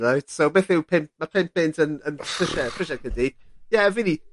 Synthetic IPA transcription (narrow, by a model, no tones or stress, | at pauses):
najtsowbeːθɪwpʰɪmp̚mapʰɪmp̚b̥ɪntʰənənpʰrɪʃɛpʰrɪʃɛkʰəndid̥jɛvini